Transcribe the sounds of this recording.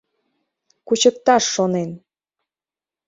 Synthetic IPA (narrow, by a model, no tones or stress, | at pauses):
kut͡ɕək̚t̪ɑʃːonen